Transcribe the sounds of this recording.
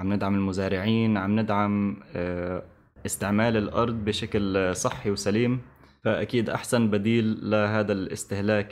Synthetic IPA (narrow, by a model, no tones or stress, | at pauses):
amnɪd̪ʕamɪlmʊzaːɾɪʕiːnʕamnɪd̪ʕam | ʔɪst̪ɪʕmaːlɪlʔɑ̰ɾˤd̪ˤbɪʃaklsˤɨħːiwsaliːm | faʔakiːd̪ʔa̰ħsanbad̪iːlːaɦaːd̪alʔɪ̰st̪ɪhlaːk